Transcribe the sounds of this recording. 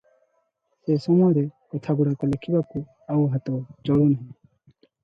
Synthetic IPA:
sesɔmɔjɾɛkɔt̪ʰaɡuɽakɔlekʰibaku | auɦat̪ɔwt͡ʃɔɽunaɦɛ̃

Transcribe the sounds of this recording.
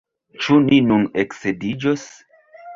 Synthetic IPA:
t͡ʃuninuneksedid͡ʒos

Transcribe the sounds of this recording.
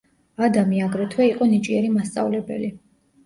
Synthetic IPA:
ad̪amiaɡɾɛt̪ʰwɛiqʼɔnit͡ʃʼiɛɾimast̪sʼa̰vlɛbɛ̰li

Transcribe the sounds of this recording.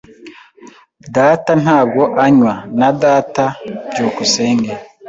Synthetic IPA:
datan̥haːb̚ɡo̞ʔaɲwanadatabɟuːkuse̞ːŋɡe

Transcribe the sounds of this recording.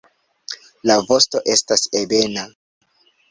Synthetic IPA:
lavo̞sto̞ʔe̞stasebe̞na

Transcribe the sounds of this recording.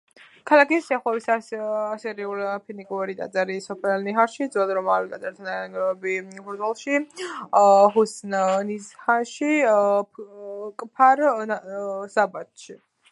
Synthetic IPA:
kʰalˠakisːaχwɛvisaasɛɾiulpʰinikʼuɾit̪ʼa̰d̪zaɾisɔpʰɛlniɦaɾʃid̪zwɛd̪ɾɔmawit̪ʼazʼɛɾt̪ʰanaɡɛbibʰɔzwalˠʃi | ɦusnnizhaʃi | kʼpʰaɾ | sabat̪ʃi

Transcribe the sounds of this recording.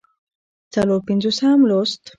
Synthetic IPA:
t͡saloɾpinzosamlost̪

